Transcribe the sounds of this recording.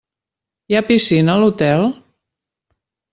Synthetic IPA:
japisinəːlut̪ɛlˠ

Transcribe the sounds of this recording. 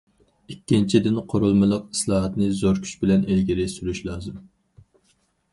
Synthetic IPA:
ikʲːint͡ʃʰid̪ɪnqʰoɾulˠmɨlˠəq̚i̥slˠɑːɦɑt̪nɨzoɾkʲʰy̥t͡ʃbɪlɛnelɡʲiɾɪsyɾyʃlˠɑːzɨm

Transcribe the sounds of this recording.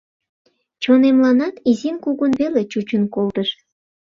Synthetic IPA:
t͡ɕonemlɑnɑt̪izinkuɣənβelet͡ɕut͡ɕənkolt̪əʃ

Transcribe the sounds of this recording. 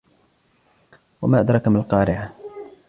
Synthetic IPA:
wamaːʔad̪ɾˤɑkmalqɑːɾɪʕa

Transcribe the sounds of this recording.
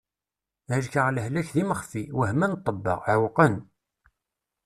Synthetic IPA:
ʕəʒkəʁləhlæçðiməχfiwəhmænt̪ˤːəbːɑ̰ʁʕwqən

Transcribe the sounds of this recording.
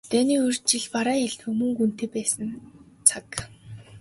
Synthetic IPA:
t̪æːniːɵr̥t͡ɕɪɮpaɾaːjaɮt̪xɵmɵ̆ŋɡun̥t̪eːpæːsə̆n | t͡sʰak

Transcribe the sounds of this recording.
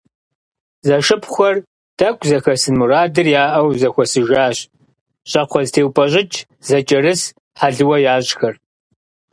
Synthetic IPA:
zɐʃɨpʰxʷɐr | tɐkʷʼzɐxɐsɨnmuraːdɨrjaːʔɐwzɐxʷɔsɨʒaːɕ | ɕʼɐqʷʰɔztʰeːwpʼɐʑɪt͡ʃʼ | zɐt͡ʃʼɐɾɨs | ħaɮɨwɐjaːɕʼxɐr

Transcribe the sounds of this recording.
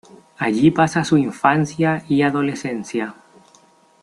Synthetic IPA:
aʎipasasuiɱfanθjaiaðo̞le̞senθja

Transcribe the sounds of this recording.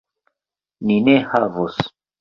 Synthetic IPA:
ninehavos

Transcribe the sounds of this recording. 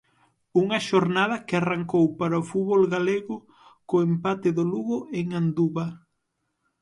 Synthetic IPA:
uŋɐʃoɾnaðɐkɪaraŋkowpaɾaofut̪βolɣaleɣʊ | koempat̪ɪðoluɣoeŋand̪uβɐ

